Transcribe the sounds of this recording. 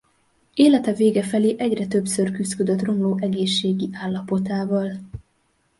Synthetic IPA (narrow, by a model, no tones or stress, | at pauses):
eːlɛt̪ɛveːɡɛfɛleːʔɛɟrɛt̪ø̞bsørkyzkød̪øt̪ro̞mloːʔɛɡeːʃːeːɡiʔaːlːɒpo̞t̪aːvɒl